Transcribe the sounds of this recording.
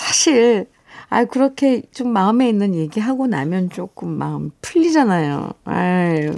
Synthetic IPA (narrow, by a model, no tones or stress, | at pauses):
sʰaɕʰiɭ | a̰ikɯɾʌkʰe̞t͡ɕomːaɯme̞inːɯnje̞ɡiɦaɡona̰mjʌnt͡ɕ͈ok͈ɯmːa̰ɯmpʰɯʎːid͡ʑanajo̰a